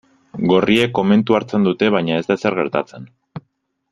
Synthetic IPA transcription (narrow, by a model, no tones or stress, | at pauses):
ɡo̞rie̞kːo̞me̞nt̪uaɾt͡se̞nd̪ut̪e̞βajɲaezd̪ase̞ɾɣ̞e̞ɾt̪at͡se̞n